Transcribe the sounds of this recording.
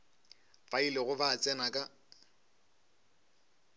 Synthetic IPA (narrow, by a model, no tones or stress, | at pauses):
failɪɣʊbaːt͡sʼɛnakʼa